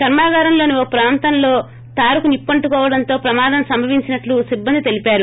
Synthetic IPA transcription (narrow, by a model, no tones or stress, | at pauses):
kɐɾmaːɡaːɾɐmlo̞ːniʋopɾaːnt̪ɐnlo̞ː | t̪aːɾukunipːɐɳʈukɔːʋɐɽɐnt̪o̞ːpɾɐmaːd̪ɐmsɐmbʱɐʋiɲt͡ʃinɐʈlusibːɐnd̪it̪e̞lipaːɾu